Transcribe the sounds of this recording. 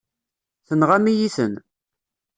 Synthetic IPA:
θənʁamijiθə̰n

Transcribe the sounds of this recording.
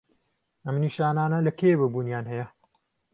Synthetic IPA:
ɐmniːʃaːnaːnɐlɐkʰebɐbuːnjaːnɦɐjɐ

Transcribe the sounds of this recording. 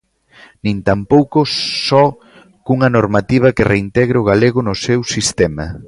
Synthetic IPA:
nĩnt̪ampowkʊsɔ | kuŋɐnoɾmat̪iβ̞ɐkɪreint̪ɛɣɾeʊɣaleɣʊnʊsewsist̪ɛmɐ̰

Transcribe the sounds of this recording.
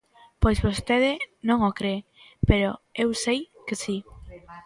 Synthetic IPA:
pojzβost̪eðɪnõŋokɾe | peɾoewsej | kesi

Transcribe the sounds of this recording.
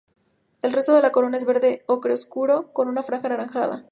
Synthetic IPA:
e̞lre̞st̪o̞ð̞e̞lako̞ɾo̞nae̞zβe̞ɾðe̞okɾeoskuɾo̞ko̞nunafɾaŋxanaɾaŋxaða̰

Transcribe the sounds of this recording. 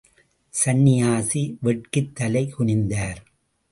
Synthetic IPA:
sɐnːɪjaːsiʋɛʈ̚kɯt̪ːɐlɐɪkʊɳɪnd̪aːɾ

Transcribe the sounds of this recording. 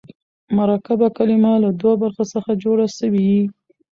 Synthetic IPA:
maɾɑkabakalimalad̪wabaɾxasəxad͡ʒoɽasəwiwi

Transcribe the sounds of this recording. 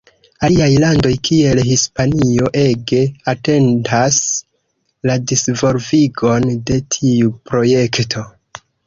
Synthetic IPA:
aliajlando̞jkʰie̞lhispanio̞ʔe̞ɡe̞ate̞ndas | ladisvo̞lviɡo̞nde̞tʰiupɾo̞je̞ktʰo̞

